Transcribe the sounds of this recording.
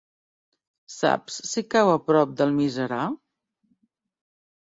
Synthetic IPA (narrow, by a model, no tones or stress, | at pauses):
sa̰psːikawəpɾɔp̚d̪əlˠmizəɾa